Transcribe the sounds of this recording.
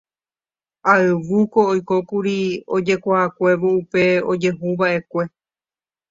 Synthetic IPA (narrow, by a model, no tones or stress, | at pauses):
aɨʋuko̞ojko̞kuɾio̞d͡ʒe̞kʷaakʷe̞ʋoupe̞o̰d͡ʒe̞ɦũβaʔe̞kʷe̞